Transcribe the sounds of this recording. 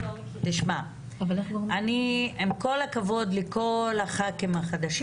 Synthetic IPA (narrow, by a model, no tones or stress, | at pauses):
t̪iʃma | valeaniemko̞lakavo̞d̪leko̞laχakemaχad̪aʃi